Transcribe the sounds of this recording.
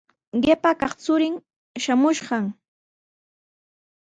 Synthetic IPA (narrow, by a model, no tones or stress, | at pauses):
ɢepakɑχt͡sʊɾɪŋ | ʃamʊʃɢɑŋ